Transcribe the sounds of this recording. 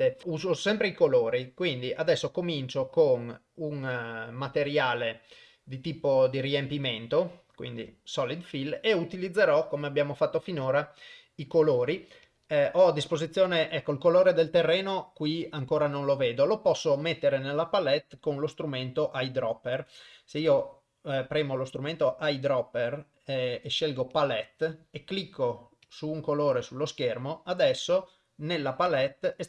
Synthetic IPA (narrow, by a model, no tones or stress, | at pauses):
euːzosɛmpɾeikoloːɾikwind̪iʔad̪ɛsːokomint͡ʃokon | uŋmat̪eɾjaːle | d̪it̪iːpod̪iɾiempiment̪okwḭnd̪ḭsɔlid̪fileut̪ilid̪zːeɾɔkomeabjaːmofat̪ːofinoːɾa | ikoloːɾi | ʔɔad̪ːispozit̪sːjoːneʔɛkːoilkoloːɾed̪elt̪erːeːnokwiaŋkoːɾanonloveːd̪olopɔsːomet̪ːeɾenelːapalɛt̪ːkonlost̪ɾument̪oʔajd̪ɾɔpːerseiːo | pɾɛːmolost̪ɾument̪oʔajd̪ɾɔpːer | eʃːelɡopalɛt̪ːekːlikʰːo | suːŋkoloːɾesulːoskɛrmoad̪ɛsːo | nelːapalɛt̪ː